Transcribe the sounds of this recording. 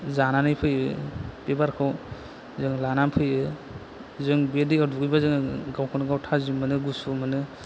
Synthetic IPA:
zananɯjpʰɯjɯpebaɾkʰaw | zɯŋlanampʰɯjɯ | zɯŋbedɯjaduɡɯjbazɯŋɯɡawkʰɔnɯɡawtʰazimɯnɯɡusumɯnɯ

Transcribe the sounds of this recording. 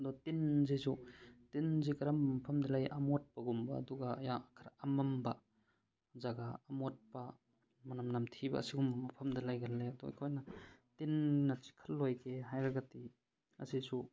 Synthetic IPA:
ɐdɔtinzisutinzikaɾampʰamdalajʔamɔt̚paɡumba̰ːduɡaːjakʰaɾaamamba | zaɡaːmot̚pa | mɐnamnamtʰiba̰ɐ̰siɡumamɐpʰɐmdalajɡalːeɐdṵkʰojnatinnat͡ʃi̥kʰalːojkʰeɦajɾaɡati | ɐ̰sisu

